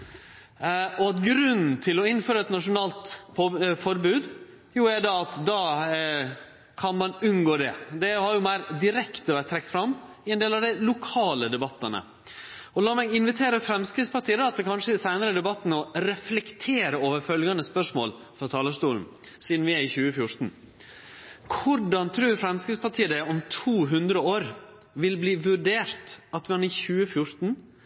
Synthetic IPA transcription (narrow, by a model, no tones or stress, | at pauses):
ɔɑt̪ɡɾʉnn̩t̪ʰɪlɔɪnføːɾɑɛt̪nɑʂʊnɑːlt̪pʰfɔɾbʉːd̪ | juæɖɑɑt̪d̪ɑː | kʰɑnmɑnʉnɡoːd̪ɛd̪ɛhɑɾjʊmæɪɾd̪ɪɾɛkt̪əʋæɾʈt̪ʰːɾɛk̚t̪fɾɑmː | ɪɛnd̪eːlɑʋd̪ɛlʊkʰɑːləd̪ɛbɑt̪ːənə̰ | ɔlɑːmɛɡɪnʋɪt̪ʰeːɾəfɾɛmskɾɪspɑʈʰiːəd̪ɑt̪̚d̪ɛkʰɑnʂəd̪ɛsæɪnəɾəd̪ɛbɑt̪ːnɔɾɛflɛkt̪ʰeːɾəoːʋəɾfœlɡɑnəspœʂmo̰ːl | fɾɔt̪ʰɑːləʂt̪uːln̩siːd̪n̩ʋɪæɾɪçʉːəfjʊɾt̪n̩ | kʰʊɖɑnt̪ʰɾʉːɾfɾɛmskɪspɑʈʰiːəd̪ɛɔmt̪ʰuːɦʉnd̪ɾəoːɾ | ʋɪlbliːʋʉɖeːɾt̪ɑt̪mɑnɪçʉːəfjʊɾt̪n̩